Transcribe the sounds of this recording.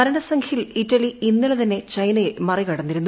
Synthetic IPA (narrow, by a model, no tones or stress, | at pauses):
ɐɾɐɳɐsɐŋkʰilitːɐliinːiɭet̪ɐnːe̞t͡ɕɐjnɐjemɐrikɐɽɐnːiɾunː